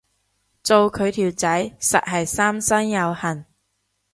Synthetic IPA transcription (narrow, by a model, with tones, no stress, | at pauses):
t͡so˨˧wkʰɵ˨˧ɥt̪ʰiː˨˩wt͡sɐ˨˥jsɐ̰˨t̚ɦɐ˨jsaː˥msɐ˥njɐ˨˧whɐ˨˩n